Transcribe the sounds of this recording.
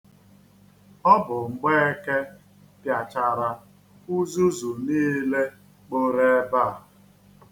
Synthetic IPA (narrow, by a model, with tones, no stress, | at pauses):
ɔ˦bʊ˨ŋ͡m̩˨ɡ͡be˦e˦ke˦ | pja˨t͡ʃa˨ɾa˨ | u˦zu˦zu˨niː˦le˦ | k͡po˦ɾe˦ba˦˨